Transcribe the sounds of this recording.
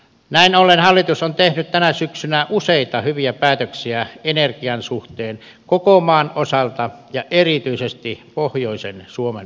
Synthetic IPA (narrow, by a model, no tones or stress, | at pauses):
næinolːenhɑlːit̪usont̪ehnyt̪t̪ænæsyksynæʔuseˑit̪ɑhyʋiæpæːt̪øksiæenerkiɑnsuht̪eːn | kokomɑːnʔosɑlt̪ɑjɑʔerit̪yisest̪ipohjoisensuomḛn